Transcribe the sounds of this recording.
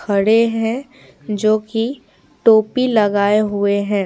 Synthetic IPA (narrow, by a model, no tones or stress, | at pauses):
kʰɐɽeɦɛ̃ | d͡ʒoːki | ʈoːpilɐɡaːeɦʊeɦɛ̃ː